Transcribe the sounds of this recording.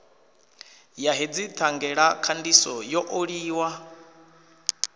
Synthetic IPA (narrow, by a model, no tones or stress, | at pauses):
jaɦed͡zit̪ʰaŋɡɛɺakʰandisɔjɔʔoɺiːwa